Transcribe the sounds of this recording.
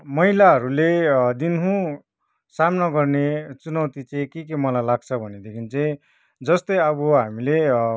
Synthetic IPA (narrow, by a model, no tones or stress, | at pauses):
mʌɦilaɦʌɾuled̪inɦũ | samnʌɡʌrnet͡sunʌwt̪it͡saĩkekemʌlajlaɡ̚t͡sʰʌbʱʌned̪ekʰint͡sʌĩ | d͡zʌst̪ʌjʌbʌɦamile